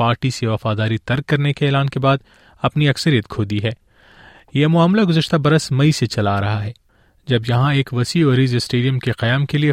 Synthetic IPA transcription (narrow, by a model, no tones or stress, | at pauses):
aːɾʈiseʋɐfaːd̪aːɾit̪ɐɾkːɐɾnekeːlaːnkebaːd̪ | ɐpniɐksəɾijət̪kʰoːd̪iɦɛː | jemʊaːmlaɡʊzəʃt̪abɐɾəsmɐiset͡ʃɐlaɾɐɦaɦɛː | d͡ʒɐbjɐɦãeːkʋɐsiɔːɾizsʈeːɖijə̃mkeqɐjaːmkelie